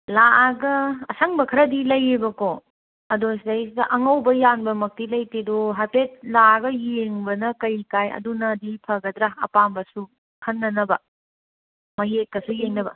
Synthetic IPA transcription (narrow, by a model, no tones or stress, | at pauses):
laaɡɐɐsɐŋbɐkʰɐɾɐdilɐjibɐko | ɐdos̬dɐjs̬idɐʔɐŋɐwbɐjanbɐmɐk̚tilɐjtedoɦapet̚laɡɐjeŋbɐnɐkɐjkajɐ̰dunɐdipʰɐɡɐd̪ɾaɐ̰pambɐsu | kʰɐnːɐnɐbɐ | mɐjek̚ːɐsujeŋnɐbɐ̰